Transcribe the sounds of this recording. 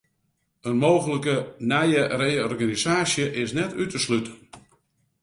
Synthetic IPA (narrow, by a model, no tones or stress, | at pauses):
ənmoːɣələkənɛjərejəɔrɣanizaːsjəʔɪsnɛtʰytəslytʰən